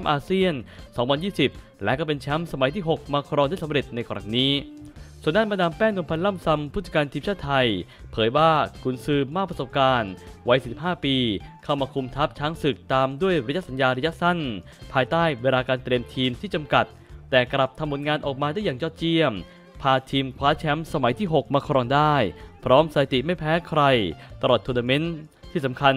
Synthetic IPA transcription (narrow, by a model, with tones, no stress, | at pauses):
a˦˥mʔaː˧si˥˩ənsɔː˩˦ŋwa˧njiː˥˩si˨˩p̚ | lɛ˦˥ʔkɔː˥˩pe˧nt͡ɕʰɛ˦˥msa˧ma˨˩˦jt̪ʰiː˥˩ɦo˨˩k̚maː˧kʰɾɔː˧nda˥˩sa˨˦mɾe˨˩t̪̚na˧jkʰɔː˧ɾa̰˨˩ŋniː˦˥su˨˩ənːaː˥˩ma˧naː˧mpɛː˥˩ŋnu˧əmpʰa˧nla˥˩msa˧mpʰu˥˩t̪̚t͡ɕḁ˧˩kaː˧nt̪ʰiː˧mt͡ɕʰaː˥˩t̪ʰa˧j | pʰɤː˩˦jwaː˥˩kʰu˩˦nsɯː˨˩mːaː˥˩k̚pɾa˧so˨˩p̚kaː˧nwa˦˥jsiː˨˩si˨˩p̚haː˥˩piː˧kʰa˥˩wmaː˧kʰu˧mt̪ʰa˦˥p̚t͡ɕʰaː˦˥ŋsɯ˨˩k̚t̪aː˧mdu˥˩əjɾa˧ja˦˥sa˦njaː˧ɾa˧ja˦˥ʔ̚sa˥˩n | pʰaː˧jt̪aː˥˩jweː˧laː˧kaː˧nt̪ɾi˧əmt̪ʰiː˧mt̪ʰiː˥˩t͡ɕa˧mka˨˩t̪̚ːɛː˨˩kɾla˨˩p̚t̪ʰa˧mːo˩˦nŋaː˧nʔɔː˨˩k̚maː˧da˥˩jaː˨˩ŋjɔː˥˩t̪̚t͡ɕi˥˩əm | pʰaː˧t̪ʰiː˧mkʰwaː˦˥t͡ɕʰɛ˦˥msa˧ma˩˦jt̪ʰiː˥˩ɦo˨˩k̚maː˧kʰɾɔː˧ŋdaː˥˩jpʰɾɔː˦˥msa˧a˧˩t̪i˨˩ma˥˩jpʰɛː˦˥kʰɾa˧jt̪a˧ɾlɔː˨˩t̪ʰːu˧na˧me˦˥nt̪ʰiː˥˩sa˩˦mkʰa˧n